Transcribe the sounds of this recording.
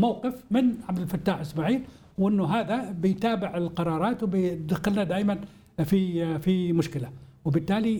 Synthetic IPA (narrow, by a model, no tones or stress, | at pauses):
mawqɪfmɪnʕabd̪ɪlfat̪ːaːħʔɪsmaʕiːl | wʔɪnːʊɦaːðabɪjt̪aːbɪʕɪlqɑɾˤɑːɾˤɑːt̪wɪbɪd̪axɪlnad̪aːjman | fifimʊʃkɪlawɪbɪt̪ːaːli